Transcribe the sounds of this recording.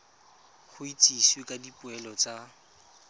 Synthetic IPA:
χʊit͡sʼiswekʼadipʼʊɛlɔt͡sʼa

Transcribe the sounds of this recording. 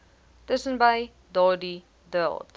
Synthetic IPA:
ləsə̃nbaj | dɑːdi | dəlˠt

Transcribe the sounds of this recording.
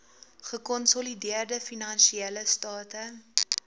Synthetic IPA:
χəkɔnsɔlidiərdəfinɐnʃiɛləstɑːtə

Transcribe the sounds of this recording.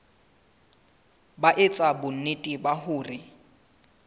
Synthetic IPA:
baʔɪt͡sʼabʊn̩nɪtʼibahʊːrɪ

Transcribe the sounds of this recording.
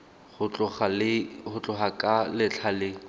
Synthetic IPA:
χʊt͡ɬʊlɪχʊt͡ɬʼʊχakʼalɪt͡ɬʰalɪ

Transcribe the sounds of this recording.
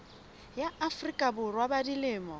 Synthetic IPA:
jaʔafrikʼabʊrwabadilɪːmɔ

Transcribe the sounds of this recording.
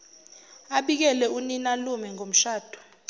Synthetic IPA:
aɓik̬ɛlɛuninalumɛŋom̩ʃaːd̥ʱɔ̥

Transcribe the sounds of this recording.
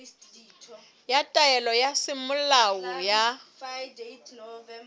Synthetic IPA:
jatʼajɛlɔjasɪmʊlawɔja

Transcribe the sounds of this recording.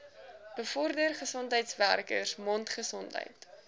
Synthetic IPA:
b̥əfɔrdərχəsɔntɦəjtsværkə̰rsmɔntχəsɔntɦə̰jt

